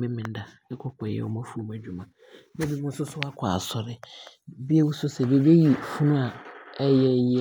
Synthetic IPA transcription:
mɪ̃˦mɪ̃˨n˦da˨ɪ̃˦kʰɔ˦kʰɔ˨ɛ̰˨wɔ˨mã˦fu˦o˨m˨æ˨d͡ʑᶣu˨mã˨ | nɛ̃˦bi˨mʊ̃˦sʊ˦sʊ˦a˦kʰa̰˨sɔ˨ɾɪ˦bi˦e˦wu˦sʊ˦sɛ˨be˨be˦ji˨fu˦nʊ̃˦a˨ɛ˦jɛ˦j

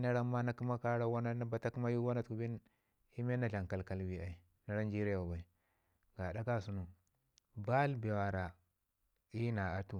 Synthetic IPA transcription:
na˦ɾa˦mːa˦na˦ki˦ma˦ka˦ɾa˦wa˦na˦na˦ba˦ta˦ku˦ma˦ju˦wa˦na˦tku˨bi˦n | i˦me˦na˨ɮa˨ŋka˨lka˦lbi˦a˨i˨ | na˨ɾa˦nd͡ʒi˦ɾba˨ba˨i˨ | ɡa˨ɗa˦ka˦su˦nu˨ | ba˦lbe˨wa˨ɾa˨ | i˦na˨a˨tu˦

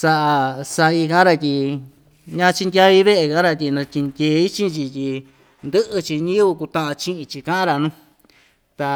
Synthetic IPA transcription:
sa˧ʔa˧sa˧i˧kã˦ɾa˧t̪ʲi˧ | ɲã˧t͡ʃi˧ndʲa˧βi˧βe˦ʔe˧kã˦ɾa˧t̪ʲi˧nã˧t̪ʲi˧nd̪ʲeː˧˦i˦t͡ʃĩ˦t͡ʃi˧t̪ʲi˧ | nd̪ɨ˦ʔɨ˧t͡ʃi˧ɲĩ˦βu˧ku˧t̪ã˦ʔã˧t͡ʃĩ˦ʔĩ˧t͡ʃi˧kã˦ʔã˦ɾa˧nũ˦ | t̪a˧

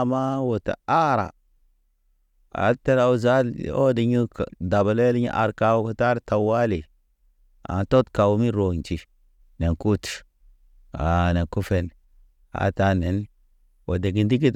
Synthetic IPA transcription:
ma˦wo˨ta̰˨a˦ɾa̰˨ | a̰˨te˦ɾa˨wu˦za˦l̰o˦di˨ɲu˦kda˨ba˨le˦li˦ɲḭ˦ʔa˨ɾka˦wku˦ta˦ɾta˨wa˦li˨ | a̰˨nto˦tka˨wu˦mi˦ɾo˨nt͡ʃi˨ | ne˨nku˦t | a˨ne˨ku˦fe˨n | a̰˨ta˦ne˨n | wo˨de˨ɡi˨ndi˦k̬i˦t

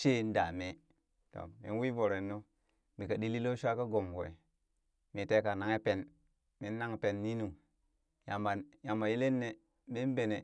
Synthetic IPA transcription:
ʃe˦n˦da˨me˦ | to̰˨mḭ˨n˦wi˦vo˨ɾe˨nːo˦ | mi˨ka˨ɗi˦li˦lo˦ʃʷa˦ka˦ɡo˨mwḛ˨ | mi˨te˦ka˨na˨ŋe˦pe˨n | mi˦nː˦a˦ŋ˨pe˨nːi˦nu˨ | ja˨mba˨ja˨mba˨ji˦le˦nːe˨ | mi˦n˦be˨ne˨

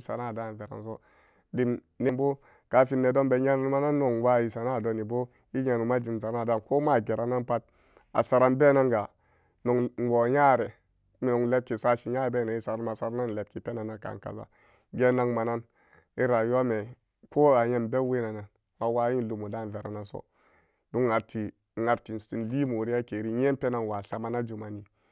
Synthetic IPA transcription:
sa˨na˦˨da˦˨n˨ve˨ɾa̰˨nso˦ | di˨m | ne˨mbo˦ | ka˨fi˦nːe˨do˦mbe˨ɲa˦na˨n˦ma˦na˦nːo˨ŋ˨wa˦ji˨sa˨na˦˨do˨˦ni˨bo˦ | i˦ɲa˨nu˨ma˦d͡ʒi˨mza˨na˦˨da˦˨ko˦ma˦˨ɡe˨ɾa˨na˦npa˦t̚ | a̰˨sa˨ɾa˦nbe˦na˦nɡa˨ | no˨ŋ˨wo˨ja˦˨ɾɛ˨ | mi˨no˨ŋle˦p̚ki˨sa˦ʃi˨ja˦˨be˦˨na˨i˦sa˨ɾa˦nma˨sa˨ɾa˦na˦n˨le˨p̚ki˨pe˦na˨na˦ka̰˨ka̰˨za̰˦ | ɡe˦na˦ŋma˨na˦n | i˦ɾa˨ju˦wa˦me˨ | ko˦a˨je˦mbe˦we˦na˨na˨n | a˨wa˦ji˦n˦lu˨mo˨da˦˨n˨ve˨ɾa̰˨na˨so̰˦ | du˦ŋa˨ɾti˨ | ŋa˨ɾti˨n˨si˨nli˦mo˨ɾi˦a˦ke˨ɾi˦je˦pe˦na˦˨n˨wa˨ɬa˨ma˦na˦d͡ʒu˨ma˨ni˨

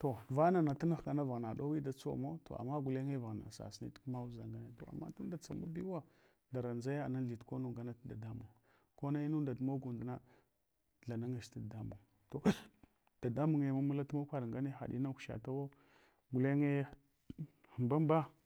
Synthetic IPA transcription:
to˨va˦na˨na˨ta˦na˦xka˨na˦va˨ɣna˨ɗo˦wi˦da˨t͡so̰˦˨mo˦to̰˨a̰˨ma˦ɡu˨le˦ŋe˦va˨ɣna̰˨sa̰˨snḭ˦tkma˦wu˦za˨ŋɡa˦ne˦to̰˨a̰˨mːa̰˦tu˦n˦da˨t͡sa˨ma˦bi˦wa˦ | da˨ɾa˨nza˦ja˨na˦ɮi˨tko˦nu˨ŋɡa˦na˦tda˨da˦mu˨ŋ | ko˦na˦i˦nu˦da˨tu˨˦mo˦ɡu˨ndna˦ | ɮa˨na˦ŋa˨ʃta˦˨da˦mu˨ŋ | to˨ | d̥a˨da˦mu˨ŋe˨ma˦mu˦la˦tu˦mo˦kʷa˦dŋɡa˦ne˦xa̰˨ɗḭ˦na˦kʃa̰˨ta˦wo˦ | ɡu˨le˦ŋe˦ | ə˨mba˦mba˦

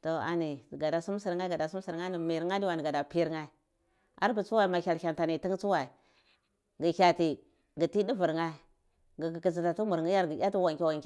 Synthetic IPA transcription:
to˨a̰˨ni˨ɡa˨da˨su˦m˦si˨ɾŋa˦ɡa˨da˨su˦m˦si˨ɾŋa˦ni˨mi˨ɾa˦di˦wa˨ni˨ɡa˨da˨pi˦ŋa˦i˦˨ | a̰˦ɾbu˨t͡su˦wa˦i˨ma˨kʲa˨lkʲa˨nta˨ni˨ti˦ŋ˦t͡su˦wa˨i˨ | ɡi˨kʲa˨ti˨ | ɡi˨ti˦di˦vu˨ɾŋa˦˨ | ɡi˨ɡi˨ki˨zi˨nta˨tu˦mu˨ɾŋi˦ja˦ɾɡi˨jʲa˦ti˦wa˨ŋkʲi˦wa˨ŋk

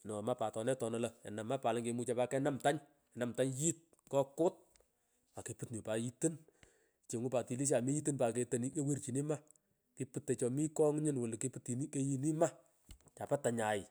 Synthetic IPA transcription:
nɔ˨ma˦pa˨tɔ˨nɛ˦tɔ˨nɔ˨lɐ˨ɛ̰˨na˨ma˦pa˨la˦ŋke˨˧mu˦t͡ʃa˦pa˦kɛ˦na˦mta˦ɲ | ɛ˨na˨mta˦ɲji˦t̚ | kɔ˦kʊ˦t̚ | a˨ke˨pɨ˦tɲɪ˨pa˨ji˦tɨ˦n | t͡ʃe˨ŋʊ˦pa˨ti˨li˦ʃ̬a˨mi˦ji˦tɨ˦npa˨ke˨˧te˨ni˦ke˦we˦rt͡ʃi˨ni˦ma˦ | ki˧pɨ˦tːe˨t͡ʃɔ˨mi˦kɔ˦ŋɲɪ˦nwʊ˨lke˦pu˦tːi˨ni˦ke˦ji˦ni˦ma˦ | t͡ʃa˨pa˦ta˨ɲa˨ɪ˨

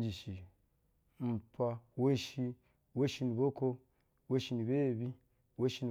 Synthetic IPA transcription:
d͡ʒi˨ʃi˨ | m̩˨pa˧wo˦ʃi˦ | wo˦ʃi˧˦ni˨bo˦ko˦ | wo˦ʃi˧ni˨be˦˨bi˦ | wo˦ʃi˦n˨

